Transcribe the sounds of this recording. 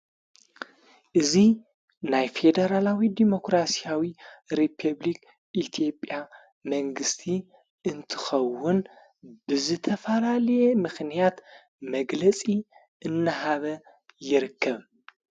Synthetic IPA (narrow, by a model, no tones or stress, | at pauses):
ʔɨzi | najfe̞d̪ɐɾalawid̪imo̞kɾasijawiɾipʰɐβlik | ʔit̪ʰijo̞pʼja | mɐŋɡɨst̪ʰi | ɨnt̪ʰɨ̥xɐwːʊn | b̥ɨzɨt̪ʰɐfɐlalɐjemɨxnijat̪ | mɐɡlɐt͡sʼi | ʔɨnːɐɦaβɐ | jɪɾɨkʰːɐβ